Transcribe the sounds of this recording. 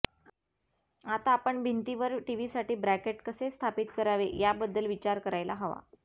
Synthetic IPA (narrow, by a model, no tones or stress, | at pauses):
at̪aːpəɳbʱint̪iʋəɾʈiʋisaʈiːbɾækeʈkəsest̪ʰapit̪kəɾaʋejabəd̪ːəlʋit͡ɕaɾkəɾajlaɦɔʋa̰